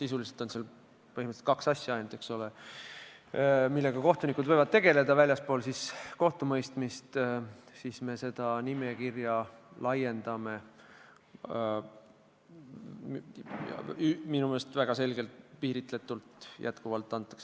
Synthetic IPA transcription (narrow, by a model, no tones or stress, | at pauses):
sisuliselt̪o̞nsel | pɤɦiməset̪kɑksɑsʲjɑɑjnud̪̥e̞kso̞le | milːe̞ɡ̥ɑko̞ht̪unikud̪vɤ̞jvɑd̪̚t̪e̞ɡ̥e̞le̞d̪ɑvælʲjɑspo̞ːlsisko̞ht̪umɤjst̪mist̪ | sisme̞se̞d̪̥ɑnime̞kirjɑlɑje̞nd̪̥ɑme̞ | jɑ̰yminumelest̪væɡ̥ɑse̞lɡ̥e̞lt̪piːɾit̪ˑle̞t̪ːˑult̪jʔæ̰t̪kuvɑlt̪ːˑɑnt̪ˑːɑ̥ks